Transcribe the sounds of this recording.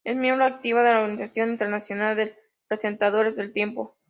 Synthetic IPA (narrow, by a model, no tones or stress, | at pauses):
e̞smjembɾoak̚t̪iβaðelaoɾɣanisasjo̞nint̪e̞ɾnasjo̞nald̪e | pɾese̞nt̪að̞o̞ɾe̞zðelt̪je̞mpo̞